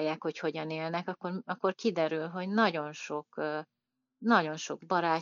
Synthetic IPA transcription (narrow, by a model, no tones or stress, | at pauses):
jaːkho̞cho̞ɟɒneːlnɛkɒkːorɒkːorkid̪ɛɾylɦo̞ɟnɒɟo̞nʃo̞kː | nɒɟo̞nʃo̞ɡbɒɾaː